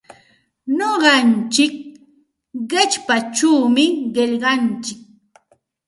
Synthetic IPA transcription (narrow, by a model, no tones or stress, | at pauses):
noɢɑnt͡ʃɪk̚ | ɢɪt͡ʃpat͡ʃuːmɪɢeʎɢɑnt͡ʃɪk̚